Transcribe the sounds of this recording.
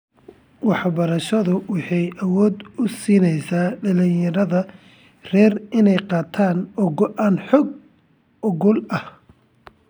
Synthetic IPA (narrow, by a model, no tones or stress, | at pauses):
wɑħbɐɾɐʃɐðʊwɑħɑjʔɐwɔːd̪ʊsiːnɛjsaːɖɐlɪjɐɾɐðɐ | rɛːrɪnɛjqɑːt̪ʰaːnɔɣɔʔaːnħɔɡ | ʔɔɣɔlɐh